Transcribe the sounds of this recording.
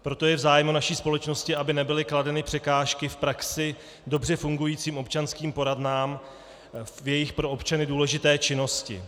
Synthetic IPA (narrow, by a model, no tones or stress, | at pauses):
pɾo̞t̪o̞jɛvzaːjmunaʃiːspo̞lɛt͡ʃno̞scɪabɪnɛbɪlɪkladɛnɪpr̥ɛkaːʃkɪfpɾaksɪ | do̞brɛfuŋɡujiːt͡siːmʔo̞pt͡ʃanskiːmpo̞ɾadnaːm | jɛjɪxpɾo̞opt͡ʃanɪduːlɛʒɪt̪ɛːt͡ʃɪno̞scɪ̰